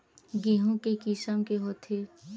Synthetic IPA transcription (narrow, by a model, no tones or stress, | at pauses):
ɡeɦõkekisəmkeɦoːt̪ʰeː